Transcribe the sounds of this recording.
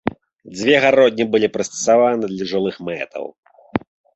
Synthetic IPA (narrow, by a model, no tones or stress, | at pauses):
d͡zʲvʲɛɣaɾɔd̪ʲnʲibɨlʲipɾɨst̪ɐ̥savanɨd̪lʲɐʐulˠɨxmɛ̰t̪ɐ̰w